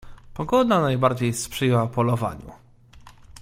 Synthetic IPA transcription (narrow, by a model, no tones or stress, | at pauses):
pɔɡɔd̪nanajbaɾd͡ʑejspʂɘjɛwapɔlɔva̰ɲṵ